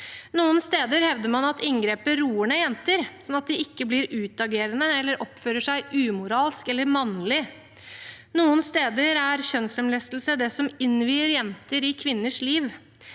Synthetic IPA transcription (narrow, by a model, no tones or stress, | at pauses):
nuːənst̪eːd̪əɾhɛʋd̪əɾmɑnɑt̪ɪŋɡɾeːpəɾuːəɳəjɛnt̪əɾsɔnɑt̪̚d̪ɪɪkːəblɪɾʉːt̪ɑɡeːɾənəɛlːəɾʔɔpføːɾəʂæɪʔʉːmʊɾɑːlskɛlːəɾmɑnlɪ | nuːənst̪eːd̪əɾæɾçœnsɛmlɛst̪l̩səd̪ɛsɔmɪnʋiːəɾjɛnt̪əɾɪkʰʋɪnːəʂliːʋ